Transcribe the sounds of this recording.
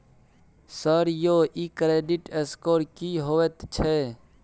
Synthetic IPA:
səɾjoːʔikɾeːɖiʈeskoːɾkiɦoːʋet̪t͡ʃʰe

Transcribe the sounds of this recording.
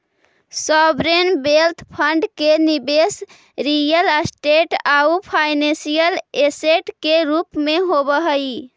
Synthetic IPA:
sɔbɾenbelt̪ʰpʰəɳɖkenibes | ɾijəlsʈeʈaupʰajnẽsijəleseʈkeɾupmeɦobəɦəi

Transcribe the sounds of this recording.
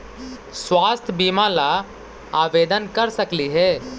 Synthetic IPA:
swaːst̪ʰbiːmala | aːʋeːd̪ənkɐɾsɐkliɦɛː

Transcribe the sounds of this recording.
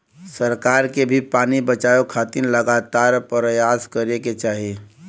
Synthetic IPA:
səɾkaːɾkebʱipaːnibət͡ʃaːjokʰaːt̪iɾləɡaːt̪aːɾpɾəjaːskəɾeket͡ʃaːɦie

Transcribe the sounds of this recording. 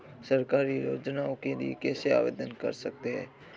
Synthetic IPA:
səɾkaːɾiɾoːd͡ʒnaõkeliekɛːsea̰ːʋḛːd̪ənkə̰ɾsək̚t̪eɦɛ̰̃ː

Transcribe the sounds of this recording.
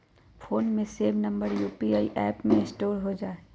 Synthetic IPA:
fʰoːnmẽseːʋnɐ̃mbəɾjuːpiaːḭʔɛːpmẽɪ̃sʈoːɾɦod͡ʒaːe

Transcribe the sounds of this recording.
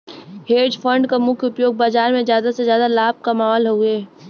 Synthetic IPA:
heːd͡ʒfʰə̃ɳɖkamʊkʰʊpjoːɡ̚baːd͡ʒaːɾmẽzjaːd̪asezjaːd̪alaːb̚kamaːalɦoɡeː

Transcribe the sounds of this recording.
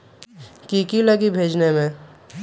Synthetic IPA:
kikiləɡibʱeːd͡ʒnemẽ

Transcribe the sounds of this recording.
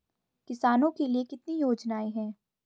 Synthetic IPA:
kɪsaːnõkeliekɪt̪nijoːd͡ʒnaːeɦɛ̃ː

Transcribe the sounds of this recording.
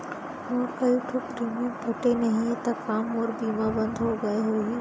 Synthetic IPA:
oːɾkɐjuʈʰopɾiːmẽbʱɐʈenɐɦĩt̪ɐkaːmoːɾbiːmabɐ̃nd̪ʱoɡɐeɦue

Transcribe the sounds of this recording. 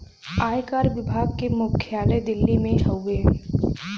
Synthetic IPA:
aːjkaːɾʋɪbʱaːɡkemʊkʰːjaːled̪ɪlːimẽɦɐwʋeɦɛ̃ː

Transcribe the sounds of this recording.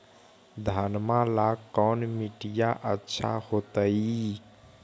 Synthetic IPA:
d̪ʱanmalakɔːnmiʈijaʔətːʃʰa̰hot̪əi

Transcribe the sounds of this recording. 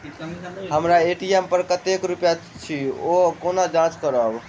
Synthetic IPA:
ɦəmɾaeʈiempəɾkət̪ekɾupja | t͡ʃʰiokonad͡ʒãt͡ʃkəɾəb

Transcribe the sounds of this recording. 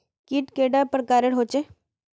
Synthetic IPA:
kiʈkeːɖapɾəkaːɾeɽɦoːt͡ʃe

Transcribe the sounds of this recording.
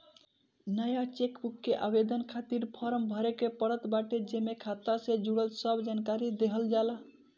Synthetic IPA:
nəjat͡ʃekbukːeʔabed̪ənkʰat̪iɾpʰɔɾəmbʱəɾekepəɾət̪baʈed͡ʒemekʰat̪ːased͡ʒuɽəlsəbd͡ʒankaɾid̪eɦəld͡ʒala

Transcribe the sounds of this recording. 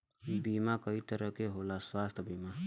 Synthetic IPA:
bimakəit̪əɾəkeɦolaswaːst̪ʰbima

